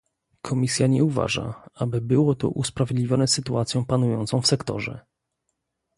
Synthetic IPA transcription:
kʰɔmʲisʲjaɲɛuva̰ʐa̰abɘbɘwɔt̪ɔ̰ʔuspɾavʲjɛd̪lʲivʲjɔnɛsɘt̪uat̪sʲjɔ̃w̃panujɔnt̪sɔ̃w̃fsɛkt̪ɔ̰ʐɛ̰

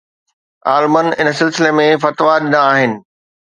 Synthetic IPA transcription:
aːlmənɪnəsɪlsɪlemẽfɐt̪ʋaɗɪnaːɦɪnɪ̆

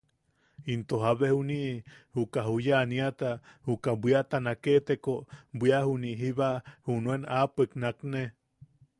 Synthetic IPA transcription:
int̪oɦaβehuniʔhukaɦujaniat̪ahukabʷiaʔt̪anakeʔt̪ekobʷiahuniʔɦiβaʔhunuenapeknakne

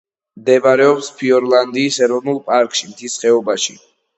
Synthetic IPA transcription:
md̪ɛbaɾɛɔpspʰiɔɾlˠand̪iːsɛɾɔvnulˠpʼaɾkʼʃimt̪ʰisχɛɔbaʃḭ

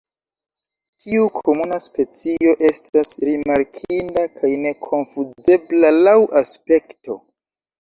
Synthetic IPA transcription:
tʰiukʰo̞munaspe̞t͡sio̞ʔe̞stasɾimaɾkʰindakʰajne̞kʰo̞nfuze̞blalawʔaspe̞kto̞

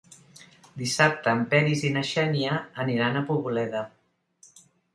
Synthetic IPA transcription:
d̪isap̚t̪əːmpɛɾizinəʃɛniəːniɾanəpuβulɛðə

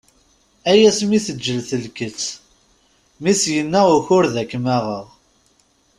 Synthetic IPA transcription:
æjæsmiθəd͡ʒːəlθəlkət͡sː | misjənːæʁʊçʊɾðækːmæʁəʁ

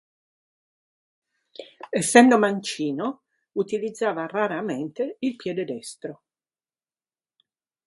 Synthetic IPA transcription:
esːɛnd̪omant͡ʃiːno | ut̪ilid̪zːaːvaraɾament̪eilpjɛːd̪ed̪ɛst̪ɾo

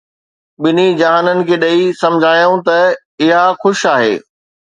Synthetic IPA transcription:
ɓɪnid͡ʑaːanənɪ̆kʰeːɗɐisɐ̃md͡ʑʱaːjũt̪ɐ | ɪɦaxʊʃaːɦḛː

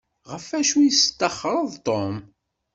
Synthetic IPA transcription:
ʁəfæʃujəst̪ːəχːɾˤəðˤt̪ˤom

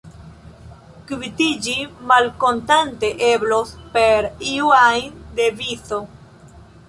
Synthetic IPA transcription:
kvitid͡ʒimalkontanteʔeblospeɾiuajnd̪eviso

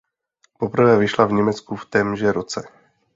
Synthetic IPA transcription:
popr̩vɛːvɪʃlavɲɛmɛt͡skuft̪ɛːmʒɛɾot͡sɛ

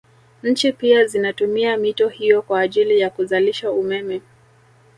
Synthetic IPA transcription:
ɲ̩t͡ʃipiazinatumiamitɔhijɔkwaːʄilijakuzaliʃaumɛmɛ

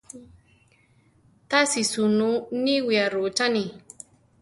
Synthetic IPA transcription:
t̪asisununiwiaɾut͡ʃani

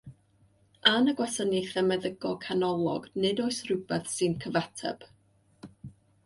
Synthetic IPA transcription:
anəɡwɛsəniθɛmɛðəɡɔkʰanɔlˠɔ̰ɡnɨdoɨsrʊbɛθsɨnkʰəvatʰɛ̰b̥

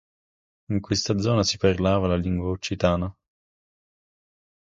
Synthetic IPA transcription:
iŋkwest̪ad̪zɔːnasiparlaːvalaliŋɡwaut͡ʃːit̪aːna

